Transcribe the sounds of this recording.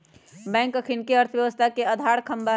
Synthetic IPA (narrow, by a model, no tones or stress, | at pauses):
bɛ̃ːŋkəkʰɪnkeɐɾt̪ʰəʋjɐʋəst̪ʰakeɐd̪ʱaːɽkʰɐ̃mba